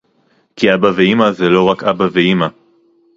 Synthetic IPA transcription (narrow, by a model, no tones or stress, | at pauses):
kʰiabaveimazelo̞ʁakabaveima